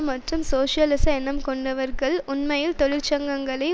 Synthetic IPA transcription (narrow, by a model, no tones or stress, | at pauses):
mɐʈrɯmsoːʂɐlɪsɐɛnɐmkɔɳɖɐʋɐɾɣɐɭʊnmɐjɪlt̪ɔɻɪɾt͡ʃɐŋɡɐŋɡɐɭɐɪ